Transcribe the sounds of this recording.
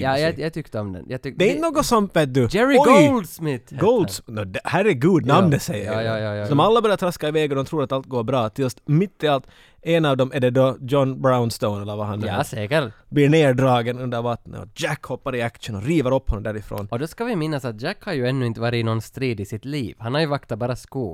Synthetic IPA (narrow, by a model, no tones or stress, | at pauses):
jɑjajat̪ʰʏkt̪əɔmd̪ɛ̰njad̪ɛɪnənoːɡɔsɔmveːt̪̚d̪ʉd͡ʒɛɾɔld̪smɪɡɔld̪sd̪ɛhæːɾɛɡuːd̪namnd̪ɛsɛjːəɾjɑjɑsd̪ɔmalːabœɾjaɾt̪ʰɾaskaɪvɛːɡɔd̪ɔmt̪ʰɾuːɾat̪alt̪̚ɡoːɾbɾɑːt̪ʰɪlst̪mɪt̪ʰːɪalt̪ | ɛnɑvd̪ɔmɛɖɛd̪ɔd͡ʒɔnbɾaʊnst̪onɛlːəɾvaɦanɛsɛːkəbliɳeːɖɾɑːɡənɵnd̪əɾvɑːt̪nɔ̰d͡ʒækhɔpːaɾɪakʂənɔɾiːvəɾɔpːhɔnɔmd̪æːɾɪfɾo̰ːnɔd̪ɔskavɪmɪnːasat̪̚d͡ʒækːhaɾjʉɛnːʉɪnt̪əvɑːɾɪɪnɔnst̪ɾiːd̪ɪsɪt̪liːvhanhaɾjɵvakt̪abɑːɾaskoː